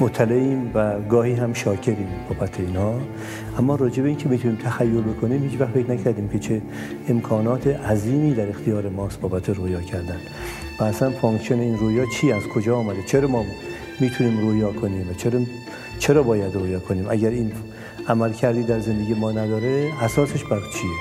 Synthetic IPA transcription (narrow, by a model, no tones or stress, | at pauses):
mot̪ʰːæleiːmvæɡɒːhiːɦæmʃɒːcʰe̞ɾiːmbɒːbæt̪ʰːeiːnhɒː | ʔæmːɒːɾɒːd͡ʒe̞beiːncʰemiːt̪ʰuniːmt̪ʰæxæjːolbe̞kʰoniːmhiːt͡ʃvæxfe̞knæcʰæɾd̪iːmcʰet͡ʃʰe | emkʰɒːnɒːt̪ʰeʔæziːmiːd̪æɾext̪ʰijɒːɾemɒːst̪̚bɒːbæt̪ʰeɾojɒːcʰæɾd̪æn | væːsænfoŋksijoneiːnroːjɒːt͡ʃʰiːæzkʰo̞d͡ʒɒːmæd̪et͡ʃʰeɾɒmɒː | miːt̪ʰuniːmrojɒːkʰo̞niːmvæt͡ʃʰeɾ | t͡ʃʰe̞ɾɒːbɒːjæd̪rojɒːkʰoniːmʔæɟæɾiːn | æmælcʰæɾd̪iːd̪æɾzend̪eɟijemɒːnæd̪ɒːɾeæsɒːseʃbæɾt͡ʃʰie